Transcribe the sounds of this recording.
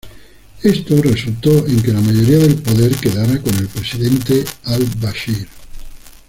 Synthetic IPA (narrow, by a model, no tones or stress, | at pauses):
est̪orisult̪ɔiŋk̟elamaʎoɾiaðelpod̪erked̪aɾakonilpɾesid̪ɛnt̪ealbaʃiɾ